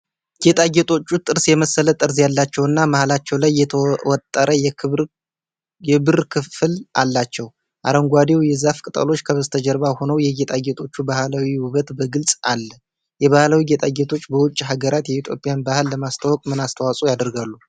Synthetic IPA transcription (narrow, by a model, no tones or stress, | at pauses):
ɡ̥et̪ʼaɡet̪ʼo̞t͡ʃːut̪ʼɨɾsjɛməsːələt̪ʼɨɾzjalːat͡ʃːɛwɨnːamahlat͡ʃːɛwlajːɛwɔt̪ʼːəɾəj | ɛbɨɾkʰɨfɨlʔalːat͡ʃːɛw | ʔa̰ɾəŋɡʷad̪ewjɛzafkʼɨt̪ʼə̰lo̞t͡ʃːkʰəβəzt̪ʰəd͡ʒəɾβaho̞nəwjɛɡet̪ʼaɡet̪ʰʼo̞t͡ʃːubahlawiwuβət̪bəɡɨlsʼalːə | jɛβahlawiɡet̪ʼaɡet̪ʰo̞t͡ʃːbəwʊt͡ʃʼːɦaɡəɾat̪jɛit̪ʰjo̞pʼːjanbahɨlːəmast̪ʰawɔkʼmɨnast̪ʰəwasʼujad̪ɾɡalːu